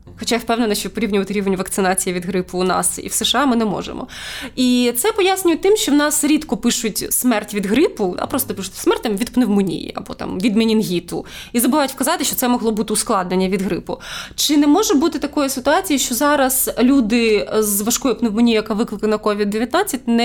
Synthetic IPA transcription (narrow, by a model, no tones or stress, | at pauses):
xɔt͡ʃajwpɛwnenɐʃt͡ʃɔpɔɾʲiwnʲʊʋɐt̪ɪɾʲiʋenʲʋɐkt̪sɪnɑt͡sʲijiʋʲid̪ɦɾɪpʊːnɑ̰sḭwseʃɑmɪnɛmɔ̰ʒḛmɔ̰it̪sɛpɔjasʲnʲʊjɛt̚ʲt̪ɪmʃt͡ʃɔwnɑsɾʲit̪kɔpɪʃʊtʲsmɛrtʲʋʲid̪ɣɾɪpʊd̪ɑ̰pɾɔst̪ɔpɪʃʊtʲsmɛrtʲɐmʋʲid̪pneʋmʊnʲḭjḭɐ̰bɔ̰t̪ɑ̰mʋʲid̪menʲinɦʲit̪ʊizɐbɪʋɑjʊtʲwkɐzɑt̪ɪʃt͡ʃɔt̪sɛmɔɦlˠɔbut̪ɪʊsklˠɑd̪nenʲːɐʋʲid̪ɦɾɪ̰pʊt͡ʃɪnɛmɔʒɛbut̪ɪt̪ɐkɔjʊsɪt̪ʊɑt͡sʲijiʃt͡ʃɔzɑɾɐzlʲud̪ɪzʋɐʃkɔjʊpneʋmʊnʲijjɐkaʋɪklˠɪkˠɐnɐkɔʋʲid̪dːeʋʲjɐt̪nɑt͡sʲːɐt̚ʲnɛ